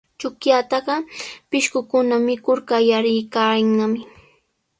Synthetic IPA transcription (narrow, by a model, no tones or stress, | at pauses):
t͡ʃʊkjat̪ɑɢɑpɪʃkʊkʊnamɪkʊɾkajaɾɪjkaːɪŋnamɪ